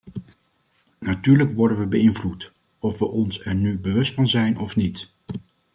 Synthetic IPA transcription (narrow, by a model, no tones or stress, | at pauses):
natyːɹləkʋɔɹdənʋəbəɪnvlut | ɔfʋəʔɔnsɛɹnybəʋɵstfɑnzɛjnʔɔfnit